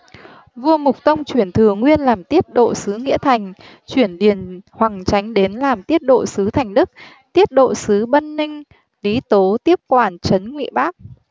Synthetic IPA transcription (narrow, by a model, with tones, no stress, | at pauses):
vu˧əmʊ˨˩k͡p̚t̪ə˧wŋ͡mt͡ɕwi˧˩ənt̪ʰɨ˨˩əŋwi˧ənlaː˨˩mt̪i˦˥ət̚ɗo̰˧˨sɨ˨˦ŋḭ˧˥ət̪ʰa˨˩jŋ̟ | t͡ɕwi˧˩ənɗi˨˧˩ənhwa˨˩ŋt͡ɕa˨˦jŋ̟ɗe˨˦nlaː˨˩mt̪i˦˥ət̚ɗo̰˧˨sɨ˨˦t̪ʰa˨˩jŋ̟ɗɨ˦˥k̚ | t̪i˦˥ət̚ɗo̰˧˨sɨ˨˦ɓə˧nːï˧ŋ̟ | li˨˦t̪o˨˦t̪i˦˥əp̚kwaː˧˩nt͡ɕə˨˦nŋwḭ˧˨ɓaː˦˥k̚